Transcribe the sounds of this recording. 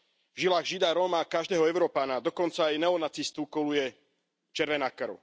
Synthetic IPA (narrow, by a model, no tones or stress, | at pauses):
vʒilaːɣʒid̪aɾɔmakaʒd̪ɛːɦɔɛʊɾɔːpanad̪ɔkɔnt͡saːjnɛɔnat͡sist̪ukɔlujɛ | t͡ʃɛɾʋɛnakrɾʊ